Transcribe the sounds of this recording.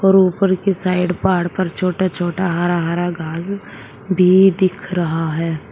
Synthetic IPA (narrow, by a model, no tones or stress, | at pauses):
ɔːɾuːpəɾkesaːɪɖpaːɾɽpɐɾt͡ʃʰoːʈat͡ʃʰoːʈaɦaːɾaɦaːɾaɡʱaːz | bʱid̪ɪkʰɾɐɦaɦɛː